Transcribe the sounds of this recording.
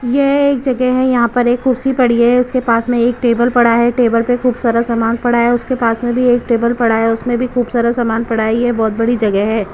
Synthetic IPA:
jeeːk̚d͡ʒɐɡɛɦɦɛ̃jɐɦãpɐɾeːkʰːʊɾsipɐɽ̤iɛɛʊskepaːsmẽeːkʈeːbəlpɐɽ̤aɦɛʈeːbəlpexʰuːbsaːɾasaːmaːnpɐɽaɦɛʊskepaːsmẽbʱieːk̚ʈeːbəlpɐɽaɦɛʊsmẽbʱikuːbsaːɾasaːmaːnpɐɽ̤aijebɔːt̪̚bɐɽid͡ʒɐɡɛɦɦɛː

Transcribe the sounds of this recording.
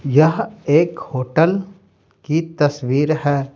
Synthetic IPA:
jɐɦeːkhoːʈəl | kit̪ɐsʋiːɾɦɛː

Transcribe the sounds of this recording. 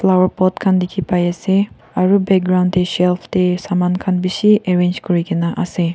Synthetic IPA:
flawəɾpɔtkʰand̪ikʰipajase | aɾubɛk̚ɡɾawnd̚t̪eʃɛlpʰt̪esamankʰanbisiʔeɹẽnd͡ʒkɔɹikinaʔase

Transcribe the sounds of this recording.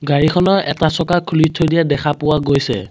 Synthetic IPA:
ɡaɹikʰɔnɔɛ̰tasɔkakʰulitʰojdijadɛkʰapʊwaɡojsɛ̰

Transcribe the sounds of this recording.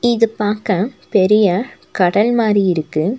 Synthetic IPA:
ɪðɯpaːɾkãːpɛɾɪjɐkɐɽɐlmaːɾiɪɾɯkːɯ

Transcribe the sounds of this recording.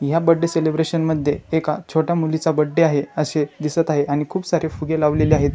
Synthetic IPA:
jabəɖːeselebɾeɕənməd̪ʱjeːkat͡ɕʰoʈjamulit͡sabəɖːeaɦeəɕed̪isət̪aɦeʔaɽ̃ikʰuːpsaɾefuɡelaʋleleaɦet̪

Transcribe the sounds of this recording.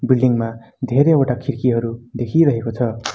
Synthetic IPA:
bilɖiŋma | d̪ʱeɾeoʈakʰirkiɦʌɾud̪ekʰiɾʌɦekot͡sʰʌ

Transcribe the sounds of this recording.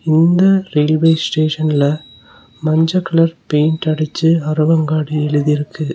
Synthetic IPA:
ɪnd̪ɐɾeːlʋeːsʈeːʂɐnɪlɐ | mɐɲd͡ʒɐkːɐɭɐɾpeːnʈɐɽɪt͡ʃːɯɐɾɯʋɐŋɡaːɽiɛɻɯðɪɾɯkʰːɯ

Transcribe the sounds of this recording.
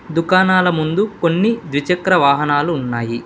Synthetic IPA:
d̪ukaːnaːlɐmund̪ukonːid̪ʋit͡ʃɐkɾɐʋaːɦɐnaːluːnːaːji

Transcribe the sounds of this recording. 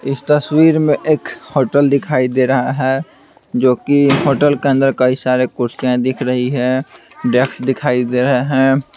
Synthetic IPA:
ɪst̪əswiːɾmẽʔeːkhoːʈəld̪ɪkʰaːid̪eɾɐɦaɦɛː | d͡ʒoːkiɦoːʈəlkeə̃nd̪əɾkɐisaːɾekʊɾsijãd̪ɪkʰɾəɦiɦɛ̃ | ɖeːksd̪ɪkʰaːid̪eːɾəɦeɦɛ̃ː

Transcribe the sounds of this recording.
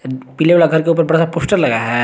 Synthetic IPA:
pileʋalaɡʱɐɾkeuːpəɾbɐɽasapoːsʈəɾlɐɡaɦɛː

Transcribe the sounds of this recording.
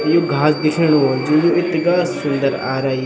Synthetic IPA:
joːɡʱaːsd̪ɪkʰəɽ̃od͡ʒoːjoɪt̪ːɪɡaːssʊnd̪əɾa̰ːɾaːi

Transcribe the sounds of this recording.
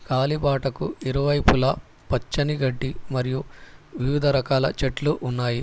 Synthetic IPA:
kaːlibaːʈɐkuiɾuʋɐjpulɐ | pɐt͡ʃːɐniɡɐɖːimɐɾijuʋiʋid̪ʱɐɾɐkaːlɐ̰t͡ʃeʈluʔunːaːji

